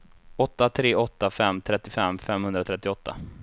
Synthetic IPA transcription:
ɔt̪ːat̪ʰɾeːʔɔt̪ːafɛmːt̪ʰɾɛt̪ːɪfɛmːfɛmːhɵnd̪ɾat̪ʰɾɛt̪ːɪɔt̪ːa̰

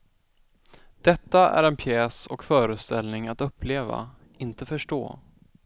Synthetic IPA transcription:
d̪̥ɛt̪ːaʔæ̰ɾɛnpʰjɛːsɔkfœːɾəst̪ɛlnɪŋat̪ɵpʰːleːva̰ | ɪnt̪əfœʂʈo̰ː

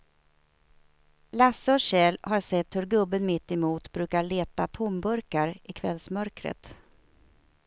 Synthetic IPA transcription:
lasːəɔɕɛːlhaɾsɛt̪ːhɵɾɡɵbːənmɪt̪ːɛmuːt̪bɾʉ̟ːkaɭeːt̪at̪ʰʊmbɵɾkaɾʔɪkʰvɛlsmœɾkɾə̰t̪

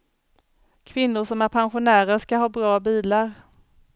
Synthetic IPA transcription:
kʰvɪnːʊɾʂɔmæɾpʰanɧʊnæːɾəɾʂkaɦɑːbɾɑːbiːlaɾ

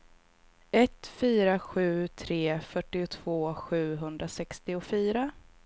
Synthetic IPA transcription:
ɛt̪fyːɾaɧʉ̟ːt̪ʰɾeːfœʈːɪʊt̪ʰv̥oːɧʉ̟ːɦɵnd̪ɾasɛkst̪ɪʊfyːɾa

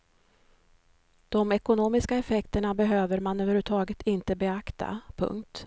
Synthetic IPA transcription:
d̪̥ɔmɛkʊnoːmɪskaɛfɛkt̪əɳabɛɦøːvəɾmanøːvəɾhʉːʈʰɑːɡət̪ʰɪnt̪əbɛakt̪ʰa̰pʰɵ̰ŋk̚t̪

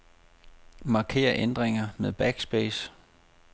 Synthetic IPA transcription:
mɑ̈kʰe̝̰ːɐʔend̥ʁeŋɐmeðˠb̥æɡ̥sb̥eːs

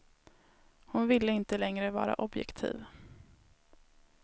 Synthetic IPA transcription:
hʊnvɪlːəɪnt̪əlɛŋɾəvɑ̰ːɾa̰ʔɔbjɛ̰kt̪ʰḭːv

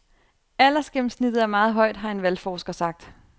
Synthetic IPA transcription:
æl̰ɐsɡ̥em̩snid̥ð̩ˠæɐmɑ̈ːð̞̩ˠɦɒ̽ɪ̰d̥ɦɑ̈e̝nʋælfɒːsɡ̥ɐsɑ̈ɡ̥̚d̥

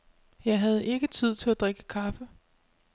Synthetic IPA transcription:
jɑ̈ɪɦæð̞ˠʔe̝ɡ̥ət͡sʰið̞̰ˠt͡sʰe̝læd̥ʁeɡ̥əkʰɑ̈fə

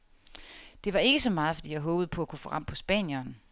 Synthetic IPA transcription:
d̥e̝ʋɑ̈e̝ɡ̥əsɒ̽mɑ̈ːð̞ˠfɒ̽d̥ḭːjɑɪɦɔ̽ːb̥ð̩ˠpʰɒ̽ækʰu̥fɔ̽ːʁɑ̈m̰pʰɒ̽sb̥ɛ̰ːnjɒn

